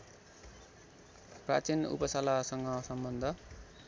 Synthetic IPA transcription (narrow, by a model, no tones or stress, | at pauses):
pra̰t͡sinṵpʌsalasʌŋɡʌsʌmbʌnd̪ʱʌ